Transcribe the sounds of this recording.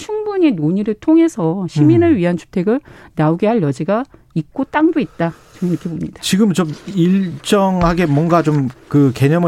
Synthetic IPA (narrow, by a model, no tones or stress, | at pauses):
t͡ɕʰuŋbuɲe̞noɲiɾɯɭtʰoŋɦe̞sʰʌɕʰiminɯɭɥiɦant͡ɕʰu̥tʰe̞ɡɯɭnaoɡe̞ɦaɭjʌd͡ʑiɡa | ik̚k͈ot͈aŋbuit̚t͈a | t͡ɕʌmɯnikʰebomɲid̥ḁt͡ɕiɡɯmt͡ɕomiɭt͡ɕ͈ʌŋɦaɡe̞mwʌnɡat͡ɕomkɯke̞ɲʌmɯ